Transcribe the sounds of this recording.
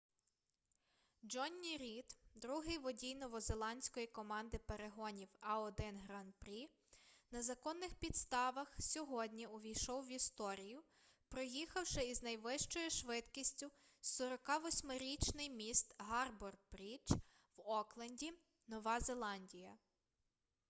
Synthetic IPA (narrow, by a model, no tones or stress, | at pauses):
d͡ʒɔnʲːiɾʲit̪d̪ɾuɦɪjʋɔdʲijnɔʋɔzelˠɑnʲsʲkɔjikɔmɑnd̪ɪpeɾeɦɔnʲiwɐɔd̪ɪnɦɾɑnpɾʲi | nɐzɐkɔnːɪxpʲid̪st̪ɑʋɐxsʲɔɦɔdʲnʲiʊʋʲijʃɔwʋʲist̪ɔɾʲijʊ | pɾɔjixɐwʃɛiznɐjʋɪʃt͡ʃɔjʊʃʋɪt̪kʲisʲtʲʊsɔɾɔkɑʋɔsʲmɪɾʲit͡ʃnɪjmʲist̪ɦɑrbɔrbɾʲit͡ʃ | wɔklˠɐnʲdʲi | nɔʋɑzelˠɑnʲdʲijɐ